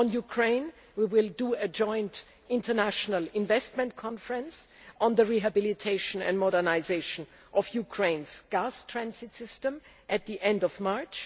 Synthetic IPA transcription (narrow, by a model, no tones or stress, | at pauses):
ɔ̃njukʰɹ̥ẽɪ̃n | wiwɪlˠdəɨd͡ʒɔ̃ɪ̃nt | ɪ̃ntə˞næʃənəlˠɪ̃nvɛst̚mɛ̃ntkʰɔ̃nfəɹə̃ns | ɔ̃nðəɹiɦɨbɪlɪtʰeɪʃə̃nɛ̰̃ndmɔɾə˞naɪzeɪʃə̃n | ʔɔvjukʰɹ̥ẽɪ̃nz̥ɡ̥astʰɹ̥æ̃nsɪtsɪstə̃m | ʔɨt̪̚ðiʔɛ̃ndɔvmɑɹt͡ʃ